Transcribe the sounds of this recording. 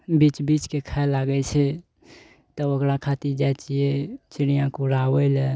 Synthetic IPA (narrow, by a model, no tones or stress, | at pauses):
bit͡ʃbit͡ʃkekʰalaɡət͡ʃʰe | t̪əokɾakʰat̪id͡ʒat͡ʃiet͡ʃɪɽijãkuɾaːwəle